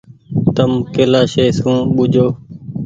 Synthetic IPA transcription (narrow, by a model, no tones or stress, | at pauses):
t̪əmkeːlaːʃeːsũːɓʊd͡ʒʱoː